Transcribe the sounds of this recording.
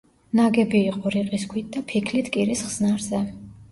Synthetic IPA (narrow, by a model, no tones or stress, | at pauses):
naɡɛbiːqʼɔɾiqʼiskʰwit̪̚d̪apʰikʰlit̪ʰkʼiɾisχz̥naɾzɛ